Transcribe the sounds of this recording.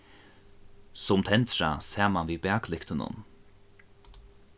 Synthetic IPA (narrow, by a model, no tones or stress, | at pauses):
sʊmt̪ʰɛnt̪ɾa̰sɛːmanviːbæɐklɪkt̪ənʊ̰n